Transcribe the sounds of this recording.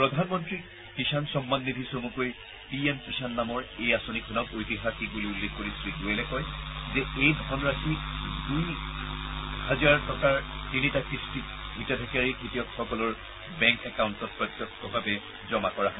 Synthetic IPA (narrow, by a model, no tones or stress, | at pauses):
pɹɔdʱanmɔntɹi | kisansɔmːanːidʱisomukoj | piɛmkisanːamɔɹejasonikʰɔnɔkojtiɦakibuliulːekʰkoɹisɹiɡujɛlɛkɔjzɛejdʱɔnɹakʰiduj | hazaɹtɔkaɹtinitakɹisti | bʱitadʱɛkaɹikʰitijɔkxɔkɔlɔɹ | bɛŋkɛkaʊntɔt̚pɹɔt̪ːɔkːɔbʱabɛ | zɔmakɔɹaɦɔ